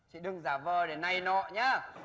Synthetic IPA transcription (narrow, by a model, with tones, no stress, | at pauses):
t͡ɕḭ˧˨ɗɨ˨˧əŋzaː˧˩vəː˧˩ɗe˨˧˩na˨˧˩jnɔ̰˧˨ɲaː˨˦